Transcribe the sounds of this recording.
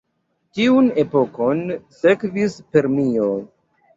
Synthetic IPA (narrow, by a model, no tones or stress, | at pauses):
tiune̞po̞ko̞nse̞kvispe̞ɾmio